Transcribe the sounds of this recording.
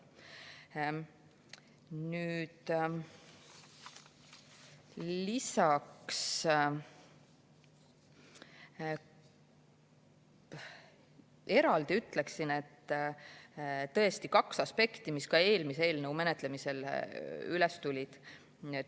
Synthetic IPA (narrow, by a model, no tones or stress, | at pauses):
nyːd̪̥ | lisɑks | e̞ɾɑld̪̥iyt̪ːˑleksine̞t̪ː | t̪ɤ̞est̪ikɑksɑspe̞kt̪imiskɑe̞ːlmisee̞ːlneume̞net̪le̞mise̞l | ylɛst̪ulʲid̪̥